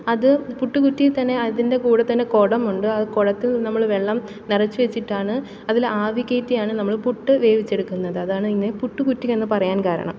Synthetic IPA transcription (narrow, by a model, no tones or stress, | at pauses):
ɐðɨpuʈːukutːit̪ɐnːe̞ɐðinde̞kuːɽɐt̪ːɐnːe̞koɽɐmuɳɖɨɐðɨkoɽɐt̪ːilnɐmːɐɭʋe̞ɭːɐm | nirɐt͡ɕːuʋet͡ɕːiʈːaːɳɨ | ɐðilaːʋikːɐjt̪ːijaːɳɨnɐmːɐɭpuʈːɨʋe̞ːʋit͡ɕːe̞ɽukːunːɐðɨɐðaːɳɨinːepuʈːukutːikːe̞nːɨpɐrɐjaːnkaːɾɐ̰ɳɐ̰m